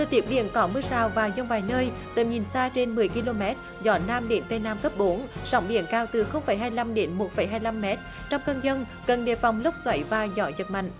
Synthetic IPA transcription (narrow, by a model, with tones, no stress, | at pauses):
t̪ʰəː˧˩t̪i˦˥əp̚ɗḭ˧˨ənkɔ˨˦mɨ˧əsaː˨˩wvaː˨˩zə˧wŋ͡mvaː˨˩jnəː˧jt̪ɨ̰ː˧˨˩ɲi˨˩nsaː˧t͡ɕe˧nmɨ˨˩əjki˧lo˧mɛ˦˥t̚ | zɔ˧˨˦naː˧mɗe˨˦nt̪ə˧jnaː˧mkə˦˥p̚ɓo˨˦nzɔ̰˧˦wŋ͡mɗḭ˧˨ənkaː˧wt̪ɨ˨˩xə˧wŋ͡mfə˧˦jɦaː˧jla˧mɗe˨˦nmo˨˩t̚fə˨˩˦jɦaː˧jla˧mːɛ˦˥t̚ | t͡ɕɔ˧wŋ͡mkə˧nzə˧n | kə˨˩nɗḛ˧˩fa˨˩wŋ͡mlə˦˥k͡p̚zwa˧˩jvaː˨˩zɔ̰˧˩˦zə˨˩t̚ma̰˧˨ŋ̟